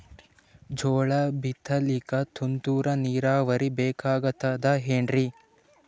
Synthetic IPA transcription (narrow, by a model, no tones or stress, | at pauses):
d͡ʒɔːɭɐbit̪ʰːɐlikɐt̪ʰunt̪uːɾɐniːɾaːʋɐɾibɛːkaːɡɐt̪ːɐd̪ɐɦeɳɖɾi